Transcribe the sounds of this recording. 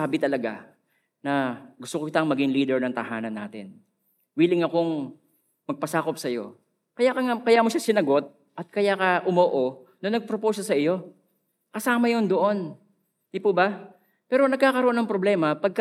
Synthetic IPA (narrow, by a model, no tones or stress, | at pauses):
aːbɪt̪ɐlɐɡa̰ | nɐɡʊst̪okokɪt̪aŋmɐɡɪŋliːd̪ɛɹnɐŋt̪ɐhaːnɐnːa̰ːt̪ɪ̰n | wiːlɪŋɐko̞ŋ | mɐɡ̚pɐsaːko̞psɐjo̞̰ | kɐjakɐŋakɐjaːmoʃasɪnɐɡo̞t̪̚ | ʔɐt̪̚kɐjakɐʔʊmoːʔo̞nɐnɐɡ̚pɾopowsɐsɐɪjo̞ | kɐsaːmɐjo̞nd̪oʔo̞n | d̪ipubɐ | pɛːɾonɐɡ̚kaːkɐɾoʔonɐŋpɾoblɛːmɐpɐɡ̚k